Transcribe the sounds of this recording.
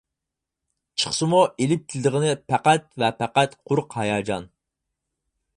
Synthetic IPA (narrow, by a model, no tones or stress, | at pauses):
t͡ʃʰə̥χsɨmuelɪp̚t̪ʰɪld̪əʁənɪpʰæqæt̪vɛpʰæqæt̪qʰʊɾqhɑjɑːd͡ʒɑ̰n